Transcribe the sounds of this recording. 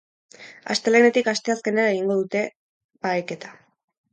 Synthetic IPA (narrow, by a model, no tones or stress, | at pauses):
a̰st̪e̞lene̞t̪ikast̪e̞aske̞neɾaeɣiŋɡo̞ðut̪e̞ | baeke̞t̪ḁ